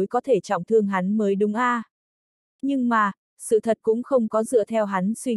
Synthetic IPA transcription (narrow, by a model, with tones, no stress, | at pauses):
jkɔ˨˦t̪ʰe˧˩t͡ɕɔ̰˧˨wŋ͡mt̪ʰɨ˧əŋɦa˨˦nməː˨˦jɗʊ˨˦ŋ͡mʔaː˧ | ɲɨ˧ŋmaː˨˩ | sɨ̰˧˨t̪ʰə˨˩t̚kʊ̰˧˥ŋ͡mxə˧wŋ͡mkɔ˨˦zɨ̰˧˨ət̪ʰɛ˧wɦa˨˦nswi˧